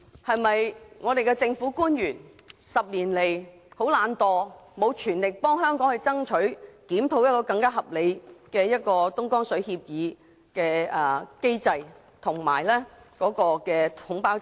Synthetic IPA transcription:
hɐ˨jmɐ˨jŋɔː˨˧d̪e˨jkɛː˧t͡sɪ˧ŋfuː˨˥kuː˥njyː˨˩n | sɐ˨p̚liː˨˩nle˨˩j | ho˨˥wlaː˨˧nt̪ɔː˧mo˨˧wt͡ʃʰyː˨˩nlɪ˨k̚pɔː˥ŋɦœː˥ŋkɔː˨˥ŋhɵ˧jt͡sɐ˥ŋt͡ʃʰɵ˨˥ɥkiː˨˥mt̪ʰo˨˧˥wjɐ˥t̚kɔː˧kɐ˧ŋkaː˥ɦɐ˨p̚le˨˧jkɛː˧jɐ˥t̚kɔː˧t̪ʊ˥ŋkɔː˥ŋsɵ˨˥ɥhiː˧p̚jiː˨˧ | kɛː˧ɐː˨˩ke˥jt͡sɐ˧j | t̪ʰʊ˨˩ŋma̰ː˨˩jlɛː˥kɔː˨˥kɔː˧kɛː˧hʊ˨˥ŋpaː˥w

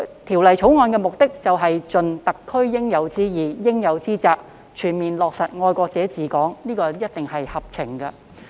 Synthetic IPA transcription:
t̪ʰiː˨˩wlɐ˨˩jt͡ʃʰo˨˥wŋɔː˧nkɛː˧mʊ˨k̚t̪ɪ˥k̚t͡sɐ˨wɦɐ˨jt͡ʃɵ˨nt̪ɐ˨kʰːɵ˥ɥjɪ˥ŋjɐ˨˧wt͡siː˥jiː˨jɪ˥ŋjɐ˨˧wt͡siː˥t͡saː˨˧k̚ | t͡ʃʰyː˨˩nmiː˨nlɔː˨k̚sɐ˨t̚ŋɔː˧jkʷɔː˧k̚t͡sɛː˨˥t͡siː˨˩kɔː˨˥ŋniː˥kɔː˧jɐ˥t̚t̪ɪ˨ŋhɐ˨jhɐ˨p̚t͡sʰɪ˨˩ŋɡɐ˧

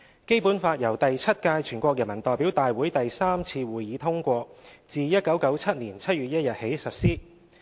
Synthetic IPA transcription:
ke˥jpuː˨˥nfaː˧t̚jɐ˨˩wt̪ɐ˨jt͡sʰɐ˥t̚kaː˧jt͡ʃʰyː˨˩nkʷɔː˧k̚jɐ˨˩nmɐ˨˩nt̪ɔː˨˩jpi˨˥wt̪aː˨jwuː˨˥jt̪ɐ˨jsaː˥mt͡sʰiː˧wuː˨jiː˨˥t̪ʰʊ˥ŋkʷɔː˧t͡siː˨˧jɐ˥t̚kɐ˨˥wkɐ˨˥wt͡sʰɐ˥t̚nliː˨˩nt͡sʰɐ˥t̚ɥyː˨t̚jɐ˥t̚jɐ˨t̚he˨˥jsɐ˨t̚siː˥

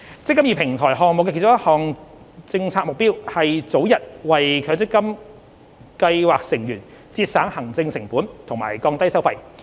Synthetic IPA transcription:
t͡sɪ˥kːɐ˥mjiː˨˧pʰɪ˨˩ŋt̪ʰɔː˨˩jɦɔː˨ŋm˨kɛː˧kʰːt͡sʊ˥jhɔː˨ŋ | t͡sɪ˧ŋt͡sʰaː˧k̚mʊ˨k̚piː˥whɐ˨jt͡so˨˥wjɐ˨t̚wɐ˨jkʰœː˨˧t͡sɪ˥kːɐ˥m | kɐ˧jwaː˨k̚sɪ˨˩ŋjyː˨˩n | t͡siː˧t̚saː˨˥ŋhɐ˨˩ŋt͡sɪ˧ŋsɪ˨˩ŋpuː˨˥nt̪ʰʊ˨˩ŋma̰ː˨˩jkɔː˧ŋt̪ɐ˥jsɐ˥wfɐ˧j

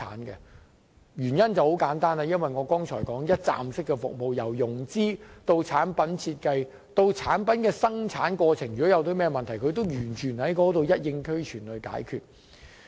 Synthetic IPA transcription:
a̰ː˨˥nkɛ̰˧ | jyː˨˩njɐ˥nt͡sɐ˨who˨˥wkaː˨˥nt̪aː˥naː˧jɐ˥nwɐ˨jŋɔː˨˧kɔː˥ŋt͡ʃʰɔː˨˩jkɔː˨˥ŋjɐ˥t̚t͡sa̰ː˨msɪ˥kːɛ˧fʊ̰˨k̚mo˨˧wjɐ˨˩wjʊ˨˩ŋt͡siː˥t̪o˧wt͡sʰaː˨˥npɐ˨˥nt͡sʰiː˧t̚kɐ˧j | t̪o˧wt͡sʰaː˨˥npɐ˨˥nkɛː˧sɐ˥ŋt͡sʰaː˨˥nkwɔː˧t͡sʰɪ˨˩ŋjyː˨˩ɔ˨˥jɐ˨˧wt̪o˨˥wmɛː˥mɐ˨nt̪ʰɐ˨˩jkʰɵ˨˧ɥt̪̬o˥wjyː˨˩nt͡ʃʰyː˨˩nhɐ˨˥jkɔː˨˥t̪o˨wjɐ˥t̚jɪ˧ŋkʰɵ˥ɥt͡ʃʰyː˨˩nlɵ˨˧ɥka̰ː˨˥jkʰyː˨t̚

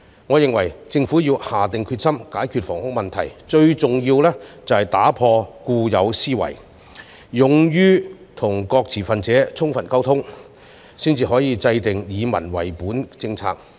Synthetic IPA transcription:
ŋɔː˨˧jɪ˨ŋwɐ˨˩jt͡sɪ˧ŋfuː˨˥jiː˧whaː˨˩t̪ɪ˨ŋkʰy˧t̚sɐ˥mkaː˨˥jkʰyː˧t̚fɔː˨˩ŋhʊ˥k̚mɐ˨nt̪ʰɐ̰˨˩jt͡ʃɵ˧ɥt͡sʊ˨ŋjiː˧wlɛː˥t͡sɐ˨whɐ˨jt̪aː˨˥pʰɔː˧kuː˧jɐ˨˧wsiː˥wɐ̰˨˩j | jʊ˨ŋjyː˥ | t̪ʰʊ˨˩ŋkɔː˧k̚t͡sʰiː˨˩fɐ˨nt͡sɛː˨˥t͡sʰʊ˥ŋfɐ˨nkɐ˥wt̪ʰʊ˥ŋ | siː˥nt͡siː˧ɦɔː˨˥jiː˨˧t͡sɐ˧jt̪ɪ˨ŋjiː˨˧mɐ̰˨˩nwɐ̰˨˩jpuː˨˥nt͡sɪ˧ŋt͡sʰa̰ː˧k̚

